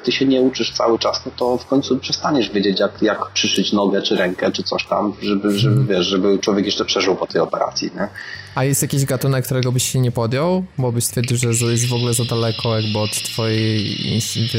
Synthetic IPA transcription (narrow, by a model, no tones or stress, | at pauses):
t̪ɘɕɛɲɛut͡ʂɘʂt̪sa̰wɘt͡ʂasnɔt̪ɔfkɔɲʲt̪supʂɛst̪aɲɛʐvʲjed͡ʑet͡ɕjakjakpʂɘʂɘt͡ɕnɔɡɛt͡ʂɘɾɛŋkɛt͡ʂɘt̪sɔɕt̪a̰mʐɛbɘʐɛbɘvʲjɛʂʐɛbɘt͡ʂwɔvʲjɛkjɛʂt͡ʂɛpʂɛʐɘwpɔt̪ɛjɔpɛɾa̰t̪sʲjḭɲɛajɛst̪jakʲeʑɡat̪unɛkːt̪uɾɛɡɔbɘɕɕɛɲɛpɔd̪ʲjɔwbɔbɘɕst̪fʲɛɾd͡ʑiwʐɛzujɛzvɔɡulɛzad̪alɛkʰɔjaɡbɘɔt̪ːfɔjɛjḭv